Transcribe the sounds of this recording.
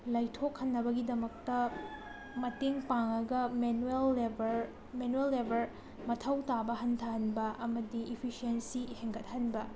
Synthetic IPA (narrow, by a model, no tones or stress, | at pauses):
lajtʰok̚hɐnːɐbɐɡidɐmɐk̚tɐ | mɐteŋpaŋɐɡɐmenuelːebɐɾ | menuelːebʱɐɾ | mɐtʰɐwtabɐɦɐntʰɐɦɐnbɐʔɐmɐdiʔipʰisiensiheŋɡɐt̚hɐnbɐ